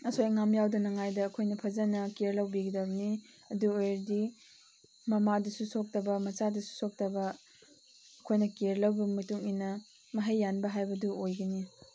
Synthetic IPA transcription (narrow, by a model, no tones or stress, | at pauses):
ɐsojɐŋamjawdɐnɐŋajdɐːkʰojnɐpʰɐzɐnɐkeɾlɐwbiɡidɐbɐni | ɐduojɾdi | mɐmadɐsusok̚tɐbɐmɐt͡ʃadɐsu̥sok̚tɐbɐ | ɐkʰojnɐkeɾlɐwbɐmɐtuŋinːɐ | mɐɦɐjːanbɐɦajbɐduojɡɐni